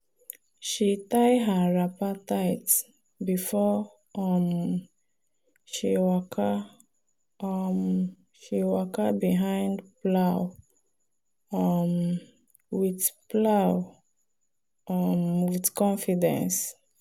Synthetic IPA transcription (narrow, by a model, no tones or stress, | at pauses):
ʃitajɦaɹapataɪt | bifɔ | ɔm | ʃiwɔkʰa | ɔm | ʃiwɔkabiɦãɪ̃ndplaʊw | ɔm | witplaw | ʔɔmwitkɔ̃nfidɛ̰̃ns